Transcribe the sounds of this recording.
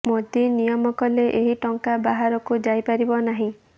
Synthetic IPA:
mot̪inijɔmɔkɔleʔeɦiʈɔŋkabaɦaɾɔkud͡ʒajpaɾibɔnaɦĩ

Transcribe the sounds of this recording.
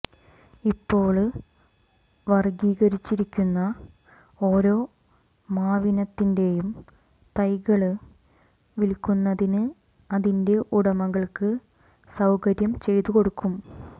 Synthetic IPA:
ipːo̞ːɭ | ʋɐrɡiːɣɐɾit͡ɕːiɾikʲːunːɐ | o̞ːɾo̞ː | maːʋinɐt̪ːinde̞jum | t̪ɐjɣɐɭɨ | ʋilkːunːɐðinɨ | ɐðinde̞ʔuɽɐmɐɣɐɭkɨ | sɐwkɐɾjɐmt͡ɕe̞jt̪uko̞ɽukʰːum

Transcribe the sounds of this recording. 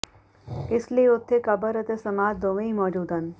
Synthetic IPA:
ɪslieʊt̪ʰːekɐbəɾɐt̪esɐmaːd͡ʒd̪oʋɐ̃imɔːd͡ʒuːd̪ʱɐn

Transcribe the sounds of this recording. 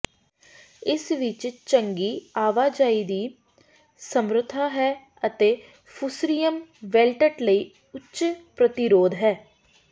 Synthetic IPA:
ɪsʋɪt͡ʃt͡ʃəŋɡiːaːʋaːd͡ʒaːiːd̪iː | səmɾʊt̪ʰːaːɦɛː | ət̪eː | pʰʊsɾijəmʋɛːlʈəʈləiː | ʊtt͡ʃʃpɾət̪ɪɾoːd̪ɦɛː

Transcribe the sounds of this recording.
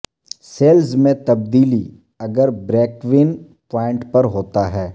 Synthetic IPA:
seːlzmẽt̪ɐb̚d̪iːli | ɐɡəɾbɾɛːkʋɪn | paːɪ̃ɳʈpɐɾɦoːt̪aɦɛː

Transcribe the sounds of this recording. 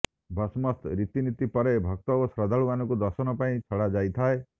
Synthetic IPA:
bʱɔsmɔst̪ɾit̪init̪ipɔɾebʱɔk̚t̪ɔosɾɔd̪ʱaɭuanɔkud̪ɔɾsɔnɔpaĩt͡ʃʰɔɽad͡ʒajt̪ʰae

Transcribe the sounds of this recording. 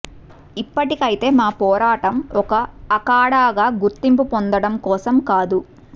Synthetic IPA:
ipːɐʈikɐjt̪e̞ːmaːpɔːɾaːʈɐmɔkɐːkaːɽaːɡaːɡuɾt̪impupond̪ɐɽɐmkɔːsɐmkaːd̪u

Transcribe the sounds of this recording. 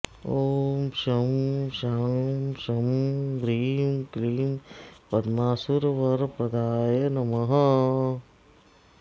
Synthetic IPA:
oːmʃɐmʃamʃɐmɡɾiːmkliːmpɐd̪maːsuɾʋɐɾpɾɐd̪aːjenɐmɐɦɐ

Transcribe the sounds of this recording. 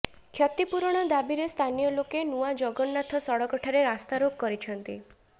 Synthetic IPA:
kʰjɔt̪ipuɾɔɽ̃ɔd̪abiɾest̪ʰanijɔlokenuad͡ʒɔɡɔnːat̪ʰɔsɔɽɔkɔʈʰaɾeɾast̪aɾoɡ̚kɔɾit͡ʃʰɔnt̪i

